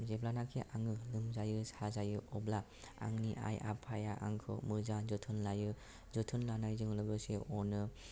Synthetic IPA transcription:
zeblanakʰeʔaŋɯlɯmzajɯsazajɯɔbla | a̰ŋniʔa̰ja̰pʰajaʔa̰ŋkʰɯ̰mɯzanzɯtʰɯnlajɯ | zɯtʰɯnlanajzɯŋlɯɡɯseɔnɯ

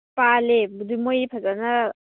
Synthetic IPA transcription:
palebudumojpʰaɡanɐ

